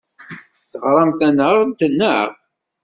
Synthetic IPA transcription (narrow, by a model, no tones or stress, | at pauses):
θəʁɾˤɑmθænəʁt̪ənːəʁ